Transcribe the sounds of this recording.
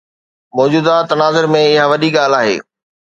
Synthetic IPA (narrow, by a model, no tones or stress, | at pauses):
mɔːd͡ʑuːd̪at̪ɐnaːzəɾmẽɪɦaʋɐɗiɠaːl̤aːɦḛː